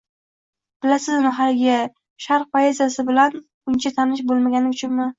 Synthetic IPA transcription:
b̥ɪlasɪzmɪɦalɡʲɪ | ʃaɾq̚pʰoje̞zjasɪbɪlan | ʊnt͡ʃʰat̪ʰanɪʃ̬bolˠmaɡʲanɪʊt͡ʃʰʊnmɪ

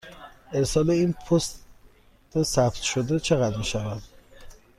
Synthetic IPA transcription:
e̞ɾsɒːleiːnpʰost | t̪esæft̪ʃod̪et͡ʃʰe̞ɣæd̪miːʃævæd̪

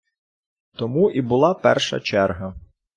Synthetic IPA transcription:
t̪ɔmuʔibʊlˠɑpɛ̰rʃɐ̰t͡ʃɛrɦɐ

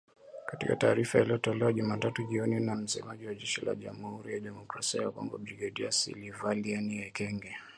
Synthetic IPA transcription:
katikataːɾifailiɔtɔlɛwaʄumatatuʄiɔninam̩sɛmaʄiwaʄɛʃila̰ʄamuhuɾijaɗɛmɔkɾasiajakwa̰mbɔbɾiɡaɗiasḭlivalianiɛkɛŋɡɛ

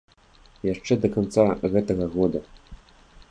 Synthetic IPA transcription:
jaʂʈ͡ʂɛd̪ɐkɔnt̪t͡saɣɛt̪ɐɣɐɣod̪ɐ

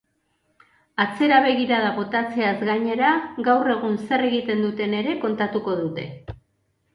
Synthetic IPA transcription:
at͡se̞ɾaβe̞ɣ̞iɾaðaβo̞t̪at͡se̞azɣaɲe̞ɾaɣawre̞ɣ̞unse̞re̞ɣit̪e̞nd̪ut̪e̞ne̞ɾe̞ko̞nt̪at̪uko̞ðut̪e̞

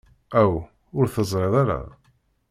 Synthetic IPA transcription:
æw | ʊɾθəzˤɾˤeðˤaɾa̰

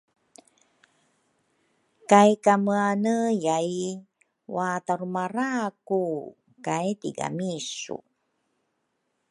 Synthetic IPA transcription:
kajkaməanəjaj | wataɾumaɾaku | kajtiɡa̰misṵ

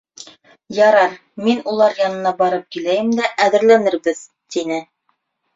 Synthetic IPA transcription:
jɑɾɑɾ | minulˠɑɾjɑnɤ̆nɑbɑɾɤp̚kilæjɘmd̪æʔæðɘ̆ɾlænɘɾbɘð | t̪inɘ

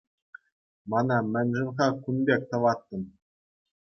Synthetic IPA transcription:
mɑnɑmʲɘ̆nʲʐɘ̆nʁɑkunbʲek̚ʲt̪ɤ̆ʋɑt̪ːɤ̆m

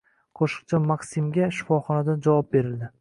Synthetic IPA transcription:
qʰoʃɨ̥q̚t͡ʃʰamaqsimɡʲaʃɪ̥fɒχɒnad̪and͡ʒavɒp̚be̞ɾɪld̪ɪ

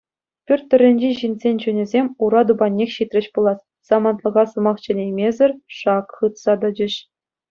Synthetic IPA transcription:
pʲyrʲt̪ʲtːɘ̆rʲːɘ̆nʲd͡ʑeʑinʲzʲenʲt͡ɕunʲɘ̆zʲemʲuɾɑd̪ubɑnʲːexʲɕit̪ʲrʲɘ̆ɕpulˠɑt̪ | sɑmɑnt̪lˠɤ̆ʁɑsɤ̆mɑχt͡ɕɘ̆lʲejmʲezʲɘ̆rʲʂɑkχɯt̪sɑd̪ɤ̆d͡ʑɘ̆ɕ

